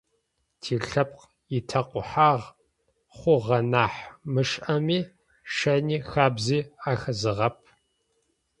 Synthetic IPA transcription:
tʰiːɬɐp̚q | jɪtʰɐqʷʊħaːʁ | χʷʊʁɐnaːħmɨʂʔɐmiː | ʃɐniːxaːbziːaːxɐzɨʁɐp̚ʰ

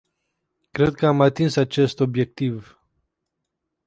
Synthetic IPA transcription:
kɾed̪̚kəamat̪insat͡ʃe̞st̪o̞bje̞k̚t̪iv

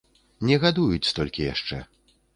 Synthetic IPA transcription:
nʲɛɣad̪ujut͡sʲst̪ɔlʲkʲija̰ʂt͡ʂɛ̰

